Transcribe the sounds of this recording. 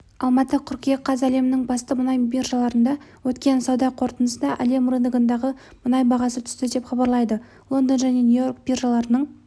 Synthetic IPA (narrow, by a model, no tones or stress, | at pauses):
ɑlˠmɑt̪əqʲʰʏɾkʲijeqʰːɑzæle̞mɪnɪŋbɑst̪əmənɑjbirʒalˠɑɾənd̪ɑwɵt̪kʲe̞nsɑwd̪ɑqʰo̞ɾt̪ənəsənd̪ɑʔæ̰le̞muɾənd̪əɡənd̪ɑʁə | mʊnɑjbɑʁɑsət̪ʰʏ̥st̪ɪd̪e̞pχɑbɑɾlˠɑjd̪ə | lˠo̞nd̪ənʒæne̞nʲujo̞rk̚birʒalˠɑɾənəɴ